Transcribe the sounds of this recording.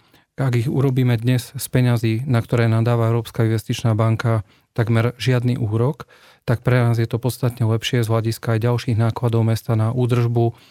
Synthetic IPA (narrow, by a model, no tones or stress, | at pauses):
aɡiɣuɾɔbiːmɛd̪ɲɛzspɛɲaziːnakt̪ɔɾɛːnad̪aːʋaɛʊɾɔːpskainʋɛst̪it͡ʃnaːbaŋka | t̪aɡmɛɾʒɪad̪niʔuːɾɔk | t̪ak̚pɾɛnaːzjɛt̪ɔpɔt̪st̪at̪ɲɛlɛpʃɪɛzɦlaɟiskaːjɟalʃiːɣnaːklad̪ɔʊmɛst̪anaʔuːd̪r̩ʒbu